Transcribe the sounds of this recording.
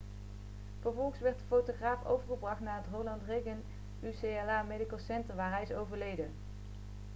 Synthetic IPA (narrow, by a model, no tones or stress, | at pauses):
v̥əɹvɔlˠχəsʋɛɹt̚dəfowtoχraːfo̰wvəɹχəbrɑχtnaːətrowlɑntrejɡən | ysejɛlaːmedikəlˠsɛntəɹʋaːɹɦɛjɪsowvəɹlejdən